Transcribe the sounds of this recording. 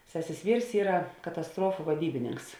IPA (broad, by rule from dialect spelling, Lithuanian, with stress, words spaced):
ˈsʲæːsʲeːs ˈʋʲiːrs ˈiːrɐ kɐtɐsˈtruɔfʊ ʋɐˈdʲiːbʲɪnʲɪŋks